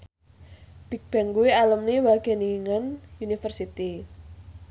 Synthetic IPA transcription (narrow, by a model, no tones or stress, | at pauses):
b̥ik̚b̥ɛ̤ŋkuwialəmniwaɡ̥ɛ̤niŋənjunifərsit̪i